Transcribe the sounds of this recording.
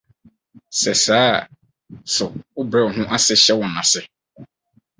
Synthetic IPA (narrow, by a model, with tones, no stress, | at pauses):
sɛ˨saː˨˦˨ | sʊ˨ʊ˦bɾɛ˦˨ɔ˨nʊ̃˦ʔa˦sɪ˦ɕɛ˦wɔ̃˨nã˨sɪ˨